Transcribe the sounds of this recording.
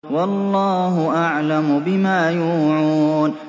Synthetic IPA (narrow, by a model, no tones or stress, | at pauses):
wɑlˤːɑːɦʊʔaʕlamʊbɪmaːjuːʕuːn